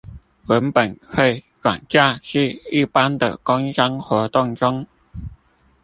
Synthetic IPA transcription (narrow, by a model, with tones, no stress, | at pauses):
wə˧˦˥npə˨˩nxwe˥˩ɪ | ɻwa̰˨˩nt͡ɕja˥˧ʂɻ̩˥˧i˥˩pa˥nd̪ə̰˨kʊ˥ŋɕɑ˥ŋxwɔ˧˥t̪ʊ˥˩ŋʈ͡ʂʊ˥ŋ